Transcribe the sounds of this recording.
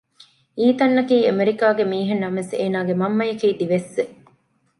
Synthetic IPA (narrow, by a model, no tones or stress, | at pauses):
iːt̪ɐnːɐkiːemeɾikaːɡemiːɦenːɐmeseːnaːɡemɐmːɐjɐkiːd̪iʋesʋe